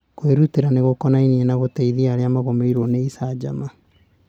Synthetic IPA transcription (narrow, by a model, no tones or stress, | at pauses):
koweɾuteɾaneɣokɔnainiɛnaɣoteiðiaɾeamaɣomeiɾoneisad͡ʒama